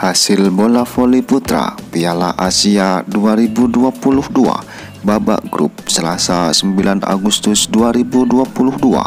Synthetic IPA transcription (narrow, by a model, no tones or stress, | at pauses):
hasɪlbolafoliput̪ɾa̰piala̰ʔasiaduaɾibuduapulʊhdua̰ | baba̰ʔɡɾṵp̚səlasasəmbilana̰ɡust̪ʊsduaɾibuduapulʊhdua̰